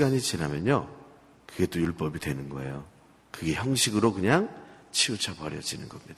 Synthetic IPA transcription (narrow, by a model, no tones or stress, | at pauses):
ɡaɲit͡ɕinamjʌɲo̰ | kɯɡe̞t͈ojuɭp͈ʌbidwe̞nɯnɡʌe̞̰jo | kɯɡe̞çjʌŋɕʰiɡɯɾokɯɲaŋt͡ɕʰiut͡ɕʰapʌɾjʌ̰d͡ʑinɯnɡʌmɲid̥a